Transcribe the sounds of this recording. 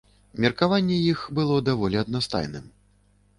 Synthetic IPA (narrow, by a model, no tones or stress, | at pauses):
mʲɛrkavanʲːɛjixbɨlˠɔd̪avɔlʲiɐd̪̚nast̪a̰jnɨ̰m